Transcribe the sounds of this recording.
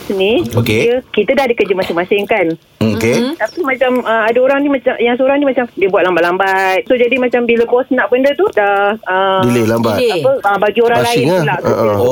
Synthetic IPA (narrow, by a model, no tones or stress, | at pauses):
niokeəkit̪ədahdikəd͡ʒəmasɪŋmasɪŋkan | ket̪apimãt͡ʃaməadaoɾaŋnimat͡ʃamjaŋsoɾaŋnimat͡ʃamdiəbwat̪̚lambaʔlambat̪̚sod͡ʒadimat͡ʃambiləbɔsnaʔ̚bəndət̪udahəbilelambaapəbaɡioɾaŋlaɪnɲalaʔʔə